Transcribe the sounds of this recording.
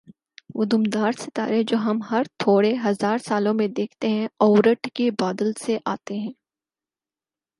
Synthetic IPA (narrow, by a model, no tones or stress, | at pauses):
ʋʊd̪umd̪aːɾsɪt̪a̰ːɾed͡ʒoːɦɐmɦɐɾt̪ʰoːɽeɦɐzaːɾsaːlõmẽd̪eːkʰt̪eɦɛ̃ɔːɾəʈkibaːd̪əlseʔaːt̪eɦɛ̃ː